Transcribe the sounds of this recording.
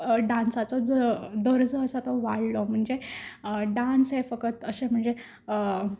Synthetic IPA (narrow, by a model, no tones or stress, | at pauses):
ɖãnsat͡sɔd͡zd̪əɾd͡zoəsat̪ɔʋaɽlɔm̤əɳd͡ze | ɖansɦefəkət̪əsem̤əɳd͡ze